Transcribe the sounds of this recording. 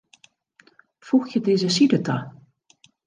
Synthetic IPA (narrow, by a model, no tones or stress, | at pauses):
fuxjədeːzəsidətʰa